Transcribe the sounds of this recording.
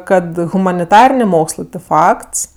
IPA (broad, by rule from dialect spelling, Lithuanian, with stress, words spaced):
ˈkɐt ɣʊmɐnʲɪˈtɑːrʲɪnʲeː ˈmoːkslˠɜ tʲɪ ˈfɐkts